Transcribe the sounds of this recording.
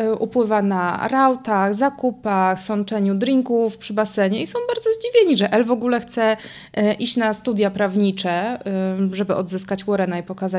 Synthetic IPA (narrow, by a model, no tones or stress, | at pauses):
ʔupwɘvanaɾawt̪aɣzakupaxsɔnt͡ʂɛɲud̪ɾiŋkufpʂɘbasɛɲɛisɔ̃w̃baɾd̪zɔzd͡ʑivʲjeɲiʐɛʔɛlvɔɡulɛxt̪sɛ | ʔiɕt͡ɕnast̪ud̪ʲjapɾavɲit͡ʂɛ | ʐɛbɘʔɔd̪zɘskat͡ɕwɔɾɛnaipɔkaza